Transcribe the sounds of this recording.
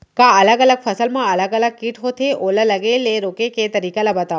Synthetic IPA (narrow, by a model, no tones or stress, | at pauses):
kaɐləɡələɡfʰəsəlmãɐləɡələɡ̚kiʈɦot̪ʰeʔoːlələɡeleɾoːkeket̪əɾiːkalɐbət̪a